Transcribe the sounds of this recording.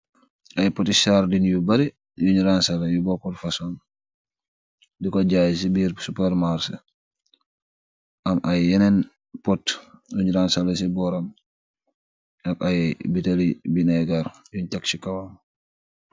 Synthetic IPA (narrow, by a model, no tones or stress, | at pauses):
ʔajpotisaɾdinjubaɾi | juɲɾansalajubɔpɔtfasɔn | dikoɟaːjs̬ibiɾsupɛɾmaɾs | ʔamʔajjɛnɛn | pɔtjuɲɾansalas̬ibɔɾam | nakajbitalibinaɡaɾjuɲtaksikawam